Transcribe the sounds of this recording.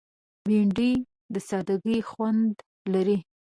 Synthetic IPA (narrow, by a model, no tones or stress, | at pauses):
biɳɖi | d̪əsɑd̪aɡəjxwand̪ | laɾi